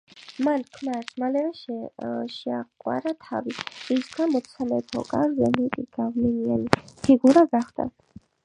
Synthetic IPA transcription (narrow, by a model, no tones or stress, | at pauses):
mankʰmaɾsmalɛvɛʃʃɛaqʼwa̰ɾat̪ʰaviisɡamɔt̪sʰalɛpʰɔ̰kʼaɾzɛmɛt̪ʼiɡ̥avnɛnianipʰiɡuɾaɡaχd̪a̰